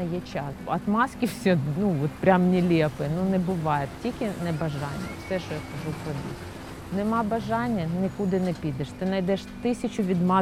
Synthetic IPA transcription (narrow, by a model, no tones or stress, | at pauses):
ɐjɛt͡ʃɑsɐt̪mɑskʲiwsʲɔnuɔt̪pɾʲamnʲilʲɛpɪnunɛbʊʋɑjɛt̪tʲikʲɪnɛbɐʒɑnʲːɐ̰fsɛʃɔjakɐʒupɾɔbʲḭ | nɛmɑbɐʒɑnʲːɐnɪkud̪ɪnɛpʲid̪ɛʃt̪ɪnɐjd̪ɛʃt̪ɪsʲɐt͡ʃʊʋʲid̪mɑ